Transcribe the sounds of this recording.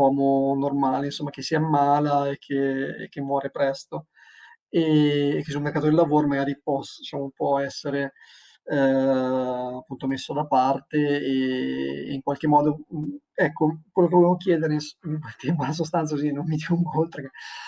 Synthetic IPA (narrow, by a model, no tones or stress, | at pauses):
ɔːmonormaːleinsomːakesːiːamaːlaekʰːḛːk̟ːemːwɔːɾepɾɛst̪o | eːkːesulmeɾrkat̪od̪elːavoːɾomaɡaːɾip̚ɔsd̪it͡ʃaːmopwɔɛsːeɾe | apːunt̪omesːod̪apart̪eː | iŋkwalk̟emːɔːd̪o | ɛkːokwelːok̬evovjamokjɛːd̪eɾenst̪ɛmonas̬ost̪ant̪sakozinommːid̪ikoŋkolt̪ɾeke